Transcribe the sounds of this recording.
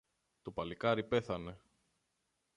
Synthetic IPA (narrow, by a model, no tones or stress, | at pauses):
t̪opɐlikɐɾipe̞θɐne̞